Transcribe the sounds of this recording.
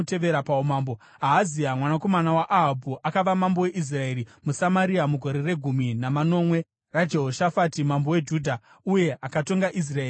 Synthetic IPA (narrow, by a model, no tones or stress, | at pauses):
te̞ʋeɾapaumaːmbo | aɦaziamwanako̞manawaʔaɦabʱuʔakaʋamambo̞we̞ʔis̬rae̞ːɾimusamaɾiamuɡʱo̞ɾe̞re̞ɡʱuminamano̞ːmwe̞ | rad͡ʒe̞ɦoʃafatimambo̞we̞d͡ʒudʱa | uje̞akato̞ŋɡaʔis̬raeːi